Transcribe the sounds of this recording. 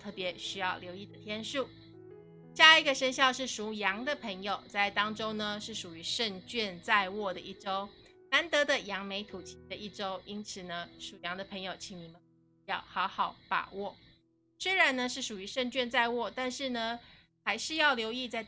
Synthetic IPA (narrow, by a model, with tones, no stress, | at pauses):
t̪ʰɤ˥˩pjɛ˧˥ɕy˥jɑ˥˩ʊljo˧˥ʊi˥˩d̪ə˩t̪ʰjɛ˥nʂu˥˩ | ɕja˥˩i˧˥ɡə˨˧ʂə˥nɕjɑ˥˧ʊʂɻ̩˥˩ʂu˧˥jɑ˧˥ŋd̪ə˨pʰɤ˧˥ŋjo˨˩ʊt͡sa˥˩ɪt̪ɑ˥ŋʈ͡ʂo˥ʊnə˨ʂɻ̩˥˩ʂu˨˩y˧˥ʂə˥˧ŋt͡ɕɥɛ˥˧nt͡sa˥˧ɪwɔ˥˩d̪ə˩ʔi˥˩ʈ͡ʂo˥ʊ | na˧˥nt̪ɤ˧˥d̪ə˨jɑ˧˥ŋme˧˥ɪt̪ʰu˨˩t͡ɕʰi˧˥d̪ə˧i˥˩ʈ͡ʂo˥ʊʔi˥nt͡sʰɹ̩˨˩nə˦ʂu˨˩jɑ˧˥ŋd̪ə˨pʰɤ˧˥ŋjo˨˩ʊt͡ɕʰi˧˥ŋni˨˩mə˦n˥ | jɑ˥˩ʊxɑ˧˥ʊxɑ˨˩˦ʊpa̰˨˩wɔ˥˩ | swe˥ɪɻa˧˥nnə˧ʂɻ̩˥˩ʂu˨˩y˧˥ʂə˥˧ŋt͡ɕɥɛ˥˧nt͡sa˥˧ɪwɔ˥˧˩t̪a˥˧nʂɻ̩˥˩nə˩ | xa˧˥ɪʂɻ̩˥˧jɑ˥˩ʊljo˧˥ʊi˥˧t͡sa˥˧ɪ